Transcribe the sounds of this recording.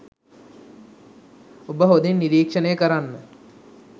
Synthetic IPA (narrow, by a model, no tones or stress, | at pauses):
obəɦod̪enːiɾiːkʂənəjəkəɾanːə